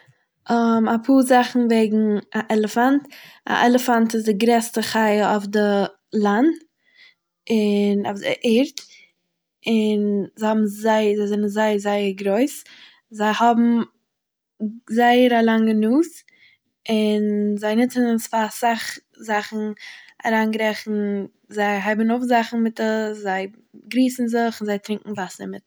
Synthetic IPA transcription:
ɔmapʰuːzaχn̩veɪɡŋ̩aʔɛlˠəfanta̰ʔɛlˠəfantɪs̬dɪɡɾɛstəχaɪəɔfdə | lˠant | ɪnɔfdɪ̰ʔɪɾt | ɪnzahɔbm̩zaɪzaɪzɛnənzaɪəzaɪəɾɡɾoɪs | zaɪhɔbm̩ | zaɪəɾalˠaŋənuːs | ɪnzaɪnɪt͡sənsfasaχ | zaχn̩a̰ɾaːnɡɾɛχn̩ | zaɪɦaɪbənʊfzaχn̩mɪtəszaɪ | ɡɾiːsn̩zɪχɪnzaɪtɾɪŋkŋ̩vasəmɪt

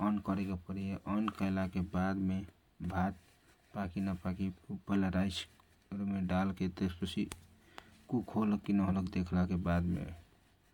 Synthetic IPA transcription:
ənkəɾekapəɾieʔənkəɪlakebad̪me | bʱat̪̚ | pakinapakipəlaɾaɪs | ɾumeɖalket̪espət͡ʃʰi | kukʰoləkːinəɦoləkd̪ekʰlakebad̪mḛ

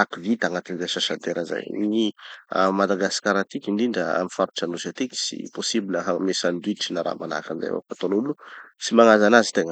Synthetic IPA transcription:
akivit̪aŋat̪inzaʃaʃad̪eɾaza̰jnia̰mad̪aɡasi̥kʲaɾat̪ikʲinɖ͡ʐiɳɖ͡ʐəa̰mifaɾu̥ʈ͡ʂanusat̪ikʲi̥sḭposibiləɦamesand̪uiʈ͡ʂinaɾa̰mana̰kanza̰jo̰fat̪onulusimaŋazanazi̥t̪eŋə

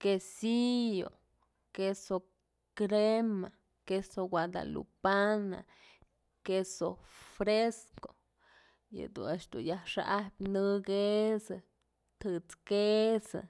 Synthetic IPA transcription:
kesijo̰ | keso | kɾema | kesowad̪a̰lṵpana̰ | kesofɾesko̥ | jɨ̰d̪ṵneʃd̪ṵnjahʂa̰ʔahpʲnɨɡesɨ | t̪ʰɨt͡skesɨ̰

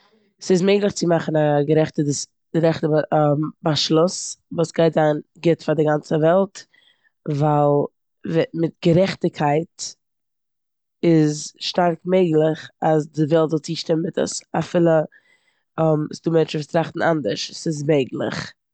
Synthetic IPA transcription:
sɪs̬meɪɡlˠɪχt͡sɪmaχn̩aɡəɾɛχtə̥ | ɾɛχtəmbaʃlˠʊsvuːsɡ̥aɪtzaɪnɡɪtfaɾdɪɡant͡səvɛlˠt | valˠ | vɛmɪt̚ɡ̥əɾɛχtɪkʰaɪt | ɪzʃtaɾkmeɪɡlˠɪχasdɪvɛlˠtzɔlˠt͡siːʃtɪmmɪtə̰safɪlˠə | ɔmɪsduːmɛnt͡ʃn̩vuːstɾaχtn̩ʔa̰ndəɾʃsɪs̬meɪɡlˠɪ̰χ

